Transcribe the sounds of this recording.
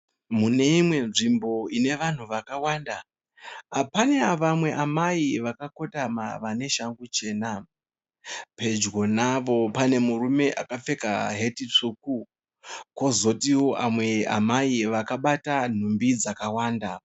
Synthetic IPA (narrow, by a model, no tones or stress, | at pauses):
mune̞imwe̞nʐimbo̞ine̞ʋan̤uʋakawanda | apane̞aʋamwe̞ʔamaiʋakako̞tama̰ʋane̞ʃaŋɡut͡ʃe̞ːna | pe̞d͡ʒɡo̞naʋo̞pane̞murume̞ʔakap͡fe̞ka̰ɦe̞tit͡ʂuku | ko̞zo̞tiwo̞ʔamwe̞a̰maiʋakaɓatan̤umbid͡zakawaːnda